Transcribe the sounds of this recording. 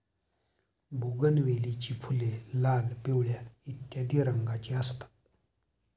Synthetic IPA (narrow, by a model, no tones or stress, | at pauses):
bʱuɡənʋelit͡ɕiːfʰulelalpewɭjait̪ːjad̪iːɾəŋɡat͡ɕiəst̪ḁt̪